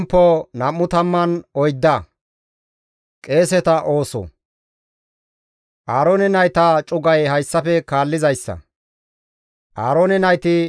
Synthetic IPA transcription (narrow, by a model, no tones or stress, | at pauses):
mpːɔnɐmːʊt̪ɐmːɐnɔjd̪ːɐ | kʼe̞ːsɛt̪ɐʔo̞ːsɔ̰ | ʔaːɾoːnɛnɐjt̪ɐt͡ʃʼʊɡɐjɦɐjsːɐfɛkaːlːɪzɐjsːɐ̰ | ʔaːɾoːnɛnɐjt̪ɪ